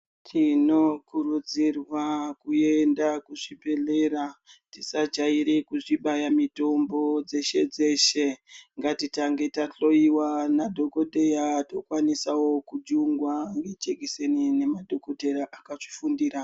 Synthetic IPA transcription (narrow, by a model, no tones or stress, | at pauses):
tʰino̞kuɾud͡zirwakuendakuʐibe̞le̞ɾatisad͡ʒaiɾekuʐiɓajamito̞mbo̞d͡ze̞ʃe̞d͡ze̞ʃe̞ŋɡatitaŋɡe̞taɬo̞iwanadʱo̞ko̞ɗe̞jato̞kwanisawo̞kud͡ʒuŋɡwaŋɡet͡ʃeɡʱisenine̞madʱo̞kode̞ɾaʔakaʐifundiːɾa